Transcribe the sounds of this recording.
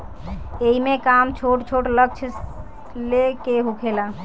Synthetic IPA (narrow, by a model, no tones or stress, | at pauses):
eɦimekamt͡ʃʰoʈt͡ʃʰoʈlək̚t͡ʃʰ | lekeɦukʰela